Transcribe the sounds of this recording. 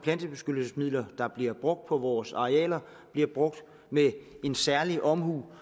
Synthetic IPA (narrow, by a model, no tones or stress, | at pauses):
pʰlænd̥əb̥e̝sɡ̥ød̥l̩səsmið̰ˠlɐd̥ɑ̈b̥liɐb̥ʁɔ̽ɡ̥̚d̥̚pʰɒ̽ʋɒːsɑ̈ʁeɛ̰ːlɐ | b̥liɐb̥ʁɔ̽ɡ̥̚d̥ | mee̝nsæɐliʔɒ̽mhṵː